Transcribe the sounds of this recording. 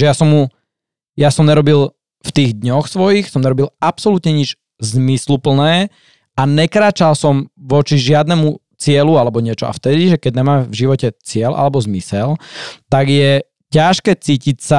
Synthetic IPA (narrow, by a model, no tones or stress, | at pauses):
ʒɛjasɔmːu | jasɔmɲɛɾɔbil | ft̪iːɣd̪ɲɔxsʋɔjixsɔmɲɛɾɔbilapsɔlut̪ɲɛɲid͡ʒ | zmislupl̩nɛː | aɲɛkɾaːt͡ʃalsɔmʋɔt͡ʃiʒɪad̪nɛmu | t͡sɪɛlualɛbɔɲɪɛt͡ʃɔa̰ft̪ɛd̪iʒɛkɛɟ̚ɲɛmaːvʒiʋɔcɛt͡sɪɛlʔa̰lɛbɔzmisɛlt̪aɡjɛ | caʃkɛːt͡siːcicsa